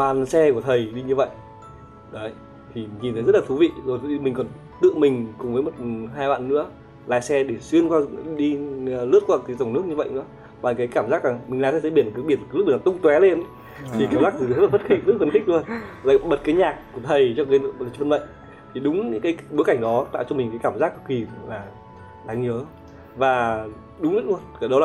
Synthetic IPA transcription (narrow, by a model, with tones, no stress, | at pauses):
ɓaː˨˩nsɛ˧ku˧˩ət̪ʰə˨˩jɗi˧ɲɨ˧və̰˧˨jʔ | ɗə˨˦ | t̪ʰi˨˩ɲi˨˩nt̪ʰə˨˦jzt̚la˨t̪ʰu˨˦vḭ˧˨zo˨˩jt̪ʰmï˨˩ŋ̟kɔ˨˩n | t̪ɨ̰˧˨əmï˨˩ŋ̟kʊ˨˩ŋ͡mvəː˨˦jmo˨˩t̚ɦaː˧jɓa̰ː˧˨nːɨ̰˧˥ə | la̰ː˧˨jsɛ˧ɗe˧˩swi˧ənkwaː˧ɗi˧lɨ˦˥ət̚kwaː˧˩t̪ːt̪ə˧˩wŋ͡mnɨ˦˥ək̚ɲɨ˧və̰˧˨jnɨ̰˧˥ə | vaː˨˩kaː˨˦jkaː˧˩mzaː˦˥k̚laː˨˩ŋmï̟˨˩laː˨˩t̪aː˨˧˦t̪ʰə˨˦ɓi˧˩ənː˨˦ɓi˧˩ən˨˦l̚ɓi˨˩t̪ʊ˧ŋ͡mt̪wɛ˨˦le˧n | t̪i˨˩kaː˧˩mzaː˦˥k̚t̪ɨ˨˩˨lːft̚xi˦˥k̚z̚fə˧nxi˦˥k̚lu˧ən˨la̰ː˧˨ɓə˨˩t̚kaː˨˦jɲaː˨˩k̚ku˧˩ət̪ʰə˨˩jt͡ɕɔ˧kaː˨˦˧lə˨˩və˧nvə̰˧˨jŋ | t̪ʰi˨˩ɗʊ˨˦ŋ͡mɲɨ̰˧˥kaː˨˦jɓo˨˦jka˧˩jŋ̟ɗɔ˨˦t̪a̰ː˧˨wt͡ɕɔ˧mï̟˨˩kaː˨˦jkaː˧˩mzaː˦˥k̚ki˨˩laː˨˩ | ɗaː˨˦ŋɲəː˨˦ | vaː˨˩ | ɗʊ˨˦ŋ͡mɲə˦˥t̚u˧ənkaː˧˩ɗə˨˦laː˨˩